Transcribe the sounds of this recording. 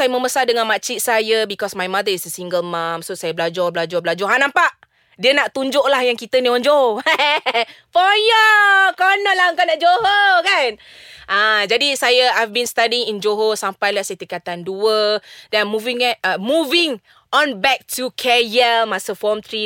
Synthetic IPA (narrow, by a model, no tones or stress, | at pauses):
sajəməməsadəŋãnmat͡ʃiʔsajəbikɔsmajmadəisəsiŋɡəlmãmsosajəblad͡ʒɔblad͡ʒɔblad͡ʒɔɦanãmpaʔ | diənaʔt̪uɲd͡ʒʊʔlahjaŋkit̪ənĩɔ̃nd͡ʒoɦo | pɔjɔkɔnɔlaŋkɔnãʔd͡ʒoɦokan | ʔad͡ʒadisajəajfbinst̪adiŋind͡ʒoɦosampajlahsət̪ikat̪anduədɛamuvĩŋanəmuvĩŋ | ɔ̃nbɛk̚tʰukʰɛjɛlmasəfɔmt̪ɾi